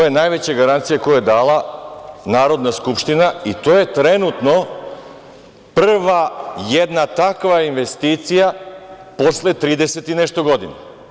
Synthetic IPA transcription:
ojenaːjʋet͡ɕeɡaɾant̪sijeko̞joed̪aːlanaːɾo̞d̪naskupʃt̪inait̪oːje̞t̪ɾe̞nut̪no̞ | prr̩ʋajed̪nat̪akʋainʋe̞st̪iːt̪sija | po̞slet̪ɾiːd̪e̞set̪ineʃt̪o̞ɡo̞d̪ina

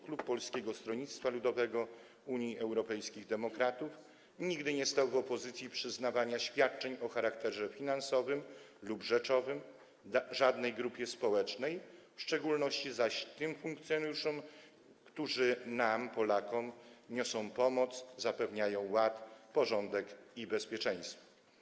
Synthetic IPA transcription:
klupːɔlskʲɛɡɔst̪ɾɔɲit̪st̪falud̪ɔvɛɡɔ | uɲjiʔɛwɾɔpɛjskʲiɣd̪ɛmɔkɾat̪uf | ɲiɡd̪ɘɲɛst̪awvɔpɔzɘt̪sʲjipʂɘznavaɲaɕfʲjat̪̚t͡ʂɛɲɔxaɾakt̪ɛʐɛfʲinansɔvɘm | lubʐɛt͡ʂɔvɘm | d̪aʐad̪nɛjɡɾupʲjɛspɔwɛt͡ʂnɛjfʂt͡ʂɛɡulnɔɕt͡ɕizaɕt̪ɘmfuŋkt̪sjɔnujuʂɔ̃m | kt̪uʐɘnampɔlakɔmɲɔsɔ̃w̃pɔmɔt̪szapɛvɲajɔ̃w̃wat̪pɔʐɔnd̪ɛkibɛspʲjɛt͡ʂɛ̃j̃st̪fɔ̥

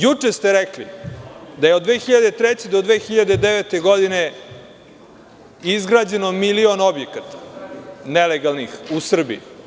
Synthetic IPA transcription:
jut͡ʂest̪eɾɛklḭd̪ajeod̪ʋeːxiʎad̪et̪ɾet͡ɕed̪od̪ʋeːxiʎad̪ed̪eʋet̪e̞ɡo̞d̪ine | izɡɾaːd͡ʑe̞nomilionobjekat̪ḁneleɡalˠnixusr̩bḭi

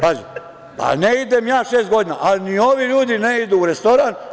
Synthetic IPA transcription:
paːʒe | pa̰neid̪emjaːʃeːst̪ɡo̞d̪inaʔalinio̞ʋiʎuːd̪ineid̪uːɾest̪o̞ɾan

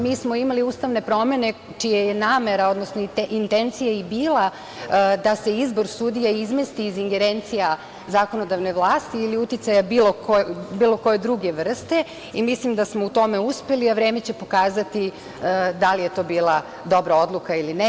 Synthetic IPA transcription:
miːsmoimaliuːst̪aʋne̞pɾo̞me̞ne̞ | t͡ʃijeje̞naːme̞ɾao̞d̪nosnoint̪ent̪sijaibiːla | d̪ase̞izbo̞ɾsud̪ijaizmest̪iːziŋɡe̞ɾent̪sija | zaːko̞no̞d̪aʋno̞ʋlˠaːst̪iːliut̪it̪sajabilˠokobiːlˠo̞ko̞jed̪ɾuɡe̞ʋr̩st̪e̞ | imislimd̪asmo̞ut̪o̞me̞uspe̞liaʋɾe̞ːme̞t͡ɕe̞po̞kaːzat̪i | d̪alije̞t̪o̞ːbiːlˠa | d̪o̞bɾao̞d̪lˠukailine

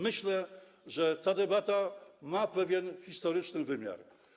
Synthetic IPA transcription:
mɘɕlɛ | ʐɛt̪ad̪ɛbat̪amapɛvʲjɛnxʲist̪ɔɾɘt͡ʂnɘvɘmʲja̰ɾ

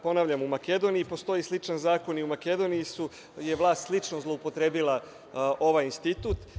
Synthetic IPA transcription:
po̞naːʋʎʲamumake̞d̪o̞nijipo̞st̪o̞jislit͡ʂanzaːko̞niumake̞d̪o̞nijisu | je̞ʋlˠaːst̪slˠit͡ʃnozlˠo̞upo̞t̪ɾe̞ːbilˠa | ʔo̞ʋaːjinst̪it̪uːt̪

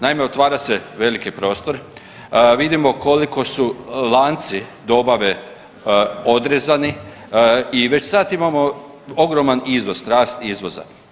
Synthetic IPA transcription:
naime̞ot̪ʋaːɾase̞ʋe̞likipɾo̞ːst̪o̞ɾ | ʋid̪imo̞ko̞liko̞sulˠaːnt̪sid̪o̞baʋe̞ | o̞d̪ɾezani | iʋe̞t͡ɕsaːt̪imamo̞ | o̞ɡɾo̞manizʋo̞zt̪ɾaːst̪izʋo̞za̰

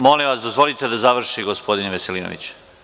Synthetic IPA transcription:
molimʋasd̪ozʋo̞lit̪e̞d̪azaʋr̩ʃiɡospo̞d̪inʋese̞liːno̰ʋḭt͡ɕ

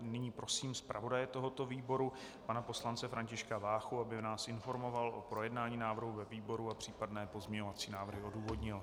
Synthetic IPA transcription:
nɪɲiːpɾo̞siːmspɾʔa̰vo̞dajɛt̪o̞ɦot̪o̞viːbo̞ɾu | panapo̞slant͡sɛfɾaɲcɪʃkavaːxuabɪnaːsɪnfo̞ɾmo̞valʔo̰pɾo̞jɛdnaːɲiːnaːvr̩ɦuvɛviːbo̞ɾuapr̝̥iːpadnɛːpo̞zmɲɛɲo̞vat͡siːnaːvr̩ɦɪo̞duːvo̞dɲɪl

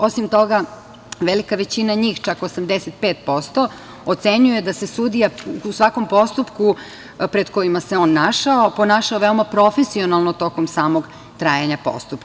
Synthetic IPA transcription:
o̞simt̪o̞ɡa | ʋelikaʋet͡ɕinaɲiːxt͡ʃakosamd̪eset̪̚peːt̪̚po̞st̪o | ot̪seɲuje̞d̪ase̞sud̪ijausʋako̞mpo̞st̪upku | pɾe̞d̪ko̞jimaseo̞ːnːaʃaopo̞naːʃaoʋeomapɾo̞fesio̞nalˠnot̪o̞komsaːmoɡ | t̪ɾaːjaɲapo̰st̪upk

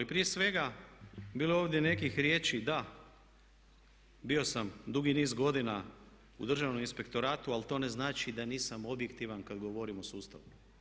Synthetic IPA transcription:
lipɾije̞sʋe̞ɡabiːleo̞ːʋd̪je̞ne̞kixɾje̞ːt͡ʃid̪a | bio̞samd̪uɡiniːzɡo̞d̪ina | ṵd̪r̩ʒaʋnominspe̞kt̪o̞ɾaːt̪ualt̪o̞ːne̞znaːt͡ʃid̪aniːsamo̞bje̞kt̪iʋankad̪ɡoʋo̞ɾimosuːst̪a̰ʋu

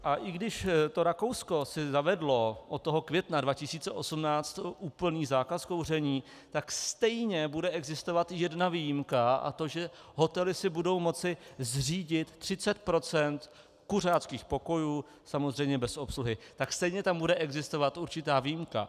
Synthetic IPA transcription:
ʔaʔɪɡdɪʃt̪o̞ɾako̞wsko̞sɪzavɛdlo̞ʔot̪ːoɦokvjɛt̪nadvacɪsiːt͡sɛʔo̞sumnaːt͡st̪ʔuːpl̩niːzaːkasko̞wr̝ɛɲiː | t̪akst̪ɛjɲɛbudɛʔɛɡzɪst̪ovat̪jɛdnavijimkaa̰t̪o̞ʒɛ | ɦo̞t̪ɛlɪsɪbudo̞wmo̞t͡sɪzr̝iːɟɪt̪ːr̝̥ɪt͡sɛt̪̚pɾo̞t͡sɛnt̪ | kur̝aːt͡skiːxpo̞ko̞juː | samozr̝ɛjmɲɛbɛso̞psluɦɪt̪akst̪ɛjɲɛt̪ambudɛʔɛɡzɪst̪o̞vat̪ʔuɾt͡ʃɪt̪aːvijimka̰

